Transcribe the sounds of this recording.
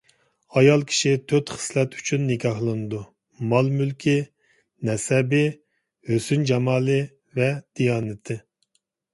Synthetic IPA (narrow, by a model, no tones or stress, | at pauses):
ɑjɑlˠkʲʰi̥ʃit̪ʰøt̪χə̥slɛt̪ʰy̥t͡ʃʰynːɪkʲʰɑhlˠɨnɨd̪u | mɑlˠmylkʲʰi | nɛsɛbɪ | høsynd͡ʒɑmɑːlˠɨ | vɛd̪̥ijɑːnɪt̪ʰɪ